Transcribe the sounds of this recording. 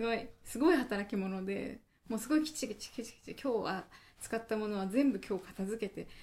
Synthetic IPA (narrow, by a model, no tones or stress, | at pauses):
ɨɡo̞isɨɡo̞ihat̪aɾakʲimo̞no̞d̪e̞̰ | mo̞ːsɨɡo̞ikʲi̥t͡ɕikit͡ɕi̥kʲit͡ɕi̥kʲi̥t͡ɕikʲo̞ːβa̰ | t͡sɨ̥kat̪ːamo̞no̞β̞azẽ̞mbɯ̟kʲo̞ːkḁt̪azɨke̞t̪e̞